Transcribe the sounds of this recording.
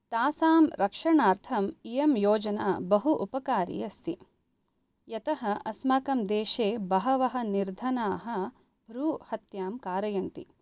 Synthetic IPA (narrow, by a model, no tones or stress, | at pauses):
t̪aːsaːmɾɐkʂɐɳaːɾt̪ʰɐmijɐmjoːd͡ʒɐna̰ːbɐɦuʔupɐkaːɾḭjɐst̪ḭ | jɐt̪ɐɦɐʔɐsmaːkɐmd̪eːʃeːbɐɦɐʋɐɦɐ̆niɾd̪ʱɐnaːɦɐ̆ | bʱɾuːhɐt̪jaːmkaːɾɐjɐnt̪ḭ